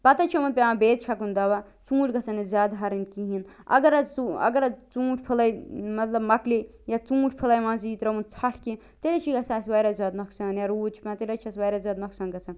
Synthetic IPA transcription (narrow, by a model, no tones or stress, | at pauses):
pɐt̪ɐt͡ʃʰomɐnpʲããbeːd̪̚t͡ʃʰɐkund̪ɐʋat͡sũːʈʲɡɐt͡sʰɐnizʲjaːd̪ɦɐɾinkiɦinɐ̰ɡɐɾɐuɐ̰ɡɐɾɐt͡sũːʈʰʲpʰilɐjmɐt̪lɐbmɐklijat͡sũːʈʰʲpʰilɐːjmãːziːt̪ɾɐmunt͡sʰɐʈʰki | t̪elɐt͡ʃʰiɡɐsʰaːsʋajɾazʲjaːd̪nɐksaːnjaɾuːt͡ʃʰpʲãt̪elʲɐt͡ʃʰɐsʋajɾaːzʲjaːd̪nɐksaːnɡɐt͡sʰɐn